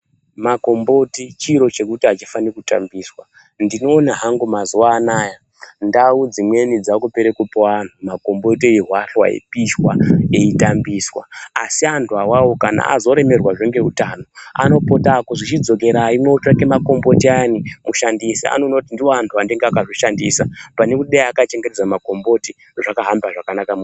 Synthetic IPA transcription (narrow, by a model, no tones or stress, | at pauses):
mako̞mbo̞tit͡ʃiɾo̞t͡ʃe̞kutiat͡ʃifanekuta̰mbiːswa | ndino̞ːnaɦaŋɡumazuwaːnaːja | ndaud͡zimwe̞nid͡zakupeɾekupoan̤umako̞mbo̞tiiɦwaɬwa̰ḛpiʃwaeitambiswa̰ːsiantʰuawawokana̰ːzo̞ɾe̞me̞rwaʐeŋɡe̞ɦutaːno̞a̰no̞po̞takoʐit͡ʃid͡zo̞k̬e̞ɾaimweut͡ʃwakemako̞mbo̞tianimuʃandisia̰nonotindioantʰuandeŋɡeakaʐoʃandisapanekuɗajakat͡ʃeŋɡeted͡zamako̞mbo̞ti | ʐakaɦambaʐakanakam